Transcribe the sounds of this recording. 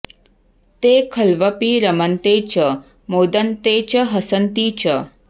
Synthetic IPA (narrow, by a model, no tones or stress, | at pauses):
t̪ekʰəlʋəpiɾəmənt̪eːt͡ʃə | mod̪ənt̪et͡ʃəɦəsənt̪iːt͡ʃə